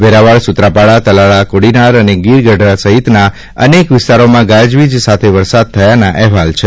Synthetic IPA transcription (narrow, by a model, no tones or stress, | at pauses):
ʋeɾaʋaɭsut̪ɾapaɭat̪əlaɭakoɽinaɾəneɡiɾɡəɖʱɾasəɦit̪na | ə̰nekʋɪst̪aɾomãɡãd͡ʒʋid͡ʒsat̪ʰeʋəɾsad̪̚t̪ʰəjanaʔɛɦʋalt͡ʃʰe